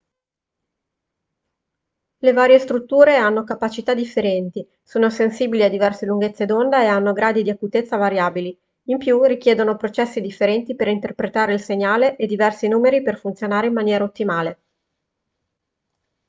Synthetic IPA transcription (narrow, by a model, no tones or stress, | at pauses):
levaːɾjest̪ɾut̪ːuːɾeanːokapat͡ʃit̪ad̪ifːeɾɛnt̪i | soːnosensiːbiliad̪ivɛrseluŋɡet̪sːed̪ond̪aeanːoɡɾaːd̪id̪iakut̪et̪sːavaɾjaːbili | impjurik̟jeːd̪onopɾot͡ʃɛsːid̪ifːeɾɛnt̪ipeɾint̪erpɾet̪aːɾeilseɲːaːleʔed̪ivɛrsinuːmeɾiperfunt̪sjonaːɾeimːanjɛːɾaot̪ːimaːle